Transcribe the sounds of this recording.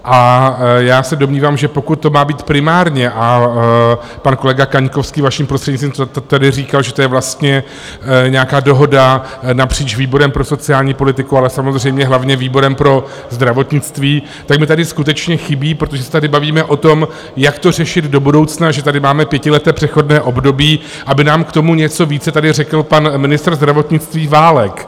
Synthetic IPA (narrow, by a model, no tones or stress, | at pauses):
ʔajaːsɛdomɲiːvaːmʒɛpo̞kut̪ːo̞maːbiːt̪pɾɪmaːɾɲɛʔa | panko̞lɛɡakaɲkofskiːvaʃimpɾost̪r̥ɛdɲɪit̪viːmt̪t̪adɪriːkalʒɛt̪o̞jɛvlast̪ɲɛ | ɲɛakaːdo̞ɦo̞da | napr̝̥iːt͡ʃviːbo̞ɾɛmpɾoso̞t͡sɪaːlɲiːpo̞lɪt̪ɪkualɛsamozr̝ɛjmɲɛɦlavɲɛviːbo̞ɾɛmpɾo̞ | zd̪ɾavo̞t̪ɲɪt͡st̪viː | t̪akmɪt̪adɪskut̪ɛt͡ʃɲɛxɪbiːpɾo̞t̪oʒɛsɛ̥t̪adɪbaviːmɛʔo̞t̪o̞m | jakt̪o̞r̝ɛʃɪd̪do̞budo̞wt͡snaʒɛt̪adɪmaːmɛpjɛcɪlɛt̪ɛːpr̥ɛxo̞dnɛːʔo̞bdo̞biː | ʔabɪnaːmkt̪o̞muɲɛt͡so̞viːt͡sɛt̪adɪrɛkl̩panmɪnɪst̪rzd̪ɾavo̞t̪ɲɪt͡st̪viːvaːlɛk